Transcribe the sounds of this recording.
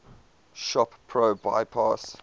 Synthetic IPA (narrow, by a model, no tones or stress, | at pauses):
ʃɔppʰɹoːba̰ɪpʰɑˑs